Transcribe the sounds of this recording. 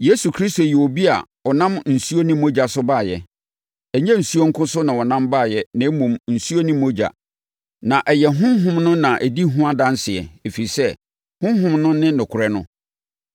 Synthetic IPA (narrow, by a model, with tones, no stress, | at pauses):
je˦su˨kʰɾi˦sto˨jɛ˨o˨bi˦a̰˨ | ɔ˨nã˦mn̩˨su˦o˦nĩ˦mː˦o˦d͡ʑa˨sʊ˦baː˦˨jɛ˨ | ɛ˨ɲɛ̃˦n̩˨su˦o˦ŋ̩˦kʰʊ̃˦sʊ˦nã˨wɔ˨nã˦mbaː˦˨jɛ˦nã˨˦mũ˨mn̩˨su˦o˦nĩ˦mːo˦d͡ʑa̰˨ | nã˨ʔɛ˨jɛ˨ɦʊ̃˦ɦʊ̃˦mnʊ̃˦nã˨ʔɛ˨di˦ɦʊ̃˦a˦˨dã˦n˦sɪ˨ɛ̰˨e˨fi˨i˨sɛ˦ | hʊ̃˦ɦʊ̃˦mnʊ̃˦nɪ̃˦nʊ̃˨kʰʊ˨ɾɛ˦nʊ̰̃˦